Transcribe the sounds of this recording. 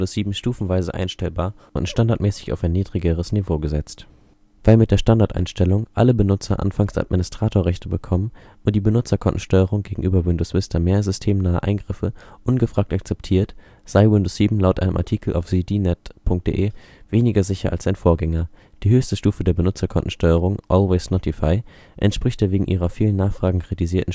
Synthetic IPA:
dosz̥iːbm̩ʃtuːfn̩vaɪzəʔa̰ɪnʃtɛlbaːɐʔʊ̰ntʃtandaɐt̚mɛːsɪ̥ça̰ʊfaɪnːiːdʁiɡəʁəsnivoːɡəzɛt͡st | v̥aɪlmɪt̚d̥eːɐʃtandaɐtʔa̰ɪnʃtɛlʊŋʔaləbənʊt͡sɐʔa̰nfaŋsa̰t̚mɪnɪstʁ̥aːtʰoːɐʁɛçtəbəkʰɔmən | ʊnt̚d̥iːbənʊt͡sɐkʰɔntn̩ʃtɔʏəʁ̞ʊŋɡeːɡŋ̩ʔyːbɐwɪndosvɪstɐmeːɐzʏstʰeːmnaːə̰ʔa̰ɪnɡʁɪfəʔʊnɡəfʁ̥aːk̚tak̚t͡sɛptʰiːɐt | z̥aɪwɪndosz̥iːbm̩laʊtʔa̰ɪnəmʔa̰ɐtʰiːkʰl̩ʔa̰ʊfz̥idinɛtpʰʊŋk̚t̚d̥ḛʔeː | v̥eːnɪɡɐzɪçɐ̰ʔa̰lsaɪnfoːɐɡɛŋɐ | d̥iːɦøːçstəʃtuːfədeːɐbənʊt͡sɐkʰɔntʔn̩ʃtɔʏəʁ̞ʊŋʔɔlwɛɪsnɔtʰifaɪ | ʔɛ̰ntʃpʁ̥ɪçtd̥eːɐveːɡŋ̩ʔiːʁ̞ɐfiːlənːaːχfʁ̥aːɡŋ̩kʁ̥itiziːɐtn̩

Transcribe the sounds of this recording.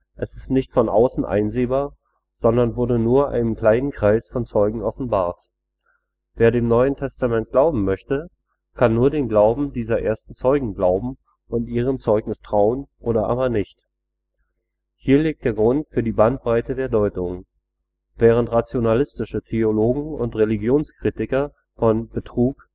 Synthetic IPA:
ʔɛsɪstnɪçtfɔnʔa̰ʊsn̩ʔa̰ɪnzeːbaːɐ | z̥ɔndɐnvʊɐdənuːɐʔa̰ɪnənkl̥aɪnənkʁ̥aɪsfɔnt͡sɔʏɡŋ̩ɔfn̩baːɐt | v̥eːɐdeːmnɔʏəntʰɛstamɛnt̚ɡ̥laʊbm̩mœçtə | kʰanːuːɐdeːmɡlaʊbm̩diːzɐʔḛːɐstn̩t͡sɔʏɡŋ̩ɡlaʊbm̩ | ʔʊntʔiːʁ̞əmt͡sɔʏknɪstʁ̥aʊənʔoːɾɐʔa̰ːbɐnɪçt | hiːɐliːk̚td̥eːɐɡʁʊntfyːɐdiːbant̚b̥ʁaɪtədeːɐdɔʏtʊŋ | v̥ɛːʁ̞əntʁat͡sjonalɪstɪʃətʰeoloːɡŋ̩ʊntʁeliɡjoːnskʁ̥iːtɪkɐ | fɔnb̥ətʁ̥uːk

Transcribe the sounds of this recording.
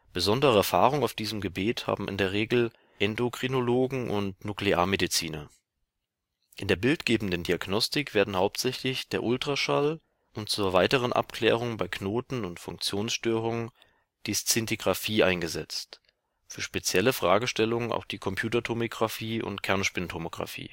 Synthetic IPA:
b̥əzɔndəʁəɛɐfaːʁ̞ʊŋaʊfd̥iːzəmɡəbeːtha̰ːbm̩ʔɪ̰ndeːɐʁ̞eːɡl̩ | ʔɛndokʁ̥inoloːɡŋ̩ʔʊ̰ntnuklea̰ːɐmedit͡siːnɐ | ʔɪndeːɐbɪltɡ̥eːbm̩n̩dəndiaɡnɔstɪkv̥eːɐdn̩haʊp̚tz̥ɛçlɪçd̥eːɐʔʊltʁ̥aʃal | ʔʊnt̚t͡suːɐvaɪtəʁ̞ənʔa̰pkl̥ɛ̰ːʁ̞ʊŋbaɪkʰnoːtn̩ʊntfʊŋk̚t͡sjoːnsʃtøːʁ̞ʊŋən | d̥ist͡sɪntiɡʁafiːʔaɪnɡəzɛ̰t͡st | fyːɐʃpet͡sjɛləfʁ̥aːɡəʃtɛlʊŋəna̰ʊxd̥iːkʰɔmpʰjuːtɐtʰomoɡʁafiːʊ̰ntkʰɛɐnʃpɪntʰomoɡ̥ʁa̰fḭː

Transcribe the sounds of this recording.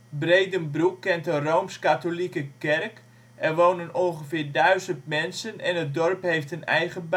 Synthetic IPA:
breːdənbrukːɛntərowmskatolikəkɛrk | ʔɛrʋownənɔlχəfɪːɹdœɥzəntmɛnsənɛnət̚dɔrphejftənɛjχəb

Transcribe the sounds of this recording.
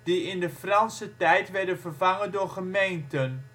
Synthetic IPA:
d̥iɪndəfrɑnsətɛjtʋɛɹdənvərvɑŋəndʊːɹχəmejntən

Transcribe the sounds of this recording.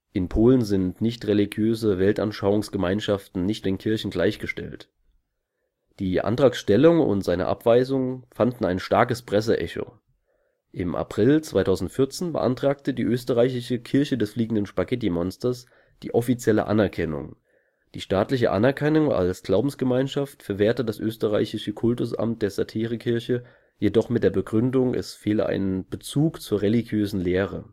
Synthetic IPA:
ʔɪnpʰoːlənzɪntnɪçtʁeliɡjøːzəvɛltʔanʃaʊʊŋsɡ̥əmaɪnʃaftn̩nɪçt̚d̥eːnkʰɪɐçn̩ɡlaɪçɡ̥əʃtɛ̰lt | d̥iːʔa̰ntʁ̥aːksʃtɛlʊŋʊ̰ntz̥aɪnə̰ʔa̰pv̥aɪzʊŋfandn̩aɪnʃtaɐkəspʁ̥ɛs̬əʔɛ̰ço̰ | ʔɪmʔa̰pʁ̥ɪlt͡sv̥aɪtʰaʊzn̩tfɪɐt͡seːnbə̰ʔa̰ntʁ̥aːk̚tədiːʔøːstəʁaɪçɪʃəkʰɪɐçədɛsfliːɡŋ̩dənʃpaɡɛt̬imɔnstɐs | d̥iːʔɔfit͡sjɛlə̰ʔa̰nɛɐkʰɛnʊ̰ŋ | d̥iːʃtaːtlɪç̬ə̰ʔa̰nɛɐkʰɛnʊŋa̰lsɡ̥laʊbm̩sɡ̥əmaɪnʃaftfɛɐveːɐtədasʔøːstəʁa̰ɪçɪʃəkʰʊltʊsʔa̰mt̚d̥eːɐz̥atʰiːʁ̞əkʰɪɐçə | jedɔχmɪt̚d̥eːɐbəɡʁʏndʊŋʔɛ̰sfeːlə̰ʔa̰ɪnənb̥ət͡suːkt͡suːɐʁeliɡjøːzn̩leːʁə̰

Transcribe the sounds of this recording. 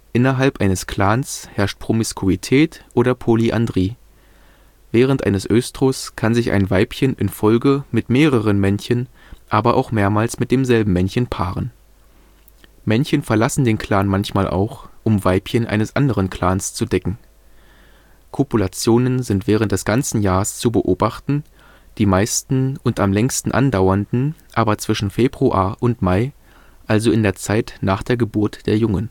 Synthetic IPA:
ʔɪnɐɦalpʔaɪnəskʰl̥aːnshɛɐʃt̚pʁ̥omɪskʰuitʰɛːtʔoːɾɐpʰoliʔa̰ndʁiː | vɛːʁ̞əntʔa̰ɪnəsʔøːstʁ̥oskʰanzɪçʔa̰ɪnvaɪpçənʔɪ̰nfɔlɡəmɪtmeːʁəʁənmɛnçən | ʔaːbɐʔa̰ʊxmeːɐmaːlsmɪt̚d̥eːmzɛlbm̩mɛnçənpʰaːʁən | mɛnçənfɛɐlasn̩deːnkʰl̥aːnmançmaːlʔa̰ʊxʔʊmvaɪpçənʔa̰ɪnəsʔa̰ndəʁənkʰl̥aːnst͡sudɛkŋ̩ | kʰopulat͡sjoːnənzɪntv̥ɛːʁ̞əntd̥ɛsɡ̥ant͡sn̩jaːʁəst͡subəʔoːbaχtn̩ | d̥iːmaɪstn̩ʊntamlɛŋstn̩ʔa̰ndaʊɐndn̩ʔaːbɐt͡sv̥ɪʃn̩feːbʁuʔa̰ːɐʔʊntmaɪ | ʔalzoɪndeːɐt͡saɪtnaːχd̥eːɐɡəbʊɐtd̥eːɐjʊŋən

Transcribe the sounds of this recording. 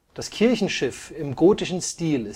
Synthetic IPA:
d̥askʰɪɐçn̩ʃɪfɪmɡoːtɪʃn̩stiːlɪs

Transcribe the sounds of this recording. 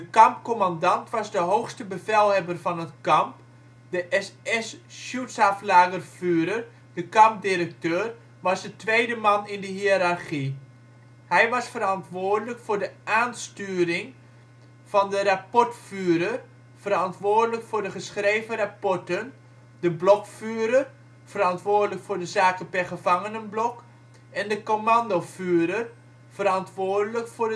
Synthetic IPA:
dəkɑmpkomandɑntʋɑzdəɦowxstəbəvɛlˠɦɛbərvɑnətkɑmp | dəʔɛsɛsʃjutsaflaːɣərfyːəɾər | dəkɑmp̚diɾək̚tøːr | ʋɑsdətʋejdəmɑnɪndəɦiəɾarχi | hɛjʋɑsfəɾɑntʋʊoːrdələkfʊrdəʔaːnstyːəɾɪŋ | v̥ɑndərapɔɹtfyːɾər | v̥əɾɑntʋʊːɹdələkfʊːɹdəχəsχrejvərapɔɹtən | dəblɔkfyːɾər | fəɾɑntʋʊːɹdələkfʊːɹdəzaːkənpɛrχəv̥ɑŋənənblɔk | ɛndəkomɑndofyːɾər | fəɾɑntʋoːɹdələkfʊːɹ

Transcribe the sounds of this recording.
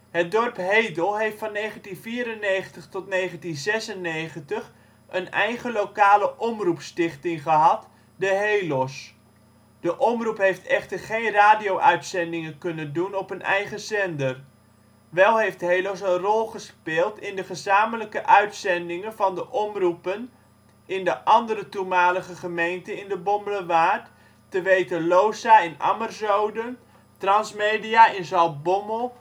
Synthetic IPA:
ɦət̚dɔrpɦejdəlˠɦejftfɑnːejχəntinviːɾənejχəntəχtɔtnejχəntinzɛsənejχəntəχ | ʔənɛjχəlowkaːləʔɔmrupstɪχtɪŋχəɦɑt | dəɦejlɔs | d̥əʔɔmrupɦejftɛχtəɹχejnraːdiowʔœɥtsɛndɪŋəkɵnəndunɔpɦənʔɛ̰jχəsɛndər | ʋɛlˠɦejftɦejlos̬ənrɔlˠχəspɪːlˠtɪndəχəzaːmələkəʔœɥtsɛndɪŋənvɑndəʔɔmrupən | ɪndəʔɑndəɾətumaːləχəχəmejntəɪndəbɔmbələʋaːt | təʋejtəlowsaɪna̰mərzowdən | trɑnsmejdijaːɪnzɑlˠbɔmo

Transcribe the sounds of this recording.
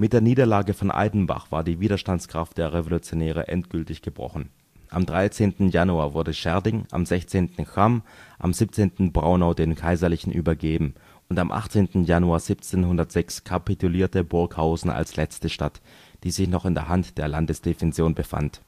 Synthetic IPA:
mɪt̚d̥eːɐniːdɐlaːɡəfɔnʔa̰ɪdn̩ba̰χv̥aːɐdiːviːdɐʃtantskʁ̥aft̚d̥eːɐʁevolut͡sjonɛːʁ̞ə̰ʔɛ̰ntɡ̥ʏltɪçɡ̥əbʁɔ̰χn̩ | ʔa̰mdʁaɪt͡seːntn̩januaːɐvʊɐdəʃɛɐdɪŋʔa̰mzɛçt͡seːntn̩kamʔa̰mziːp̚t͡seːntn̩bʁaʊnaʊdeːmkʰaɪzɐlɪçn̩ʔy̰ːbɐɡeːbm̩ | ʊntamʔa̰χt͡seːntn̩januaːɐz̥ipt͡seːnhʊndɐtz̥ɛkskʰapitʰuliːɐtəbʊɐkhaʊzn̩ʔa̰lslɛt͡stəʃtat | d̥iːzɪçnɔχɪndeːɐɦantd̥eːɐlandəsd̥efɛnt͡sjoːnbəfa̰nt

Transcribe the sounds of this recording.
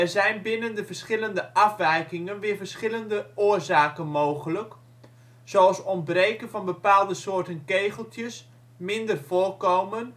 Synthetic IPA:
ɛrzɛjnbɪnəndəvəɹsχɪləndəʔɑfʋɛjkɪŋənʋɪːɹvəɹsχɪləndəʊːrzaːkənmowχələk | sowɑlˠsɔn̚brejkənvɑnbəpaːlˠdəsoːɹtənkejɣəlˠtjəs | mɪndərvoːrkowmən

